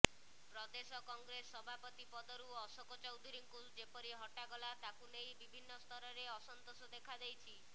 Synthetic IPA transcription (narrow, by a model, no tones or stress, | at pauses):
pɾɔd̪esɔkɔŋɡɾesɔbʱapɔt̪ipɔd̪ɔɾuɔsɔkɔt͡ʃɔwd̪ʱiɾiŋkud͡ʒepɔɾiɦɔʈaɡɔlat̪akunejbibʱinːɔst̪ʰɔɾɔɾeɔsɔnt̪osɔd̪ekʰad̪ejt͡ʃʰi